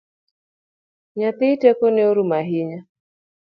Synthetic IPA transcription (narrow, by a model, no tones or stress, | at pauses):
ɲatiitɛkɔnɛɔɾumaɦiɲa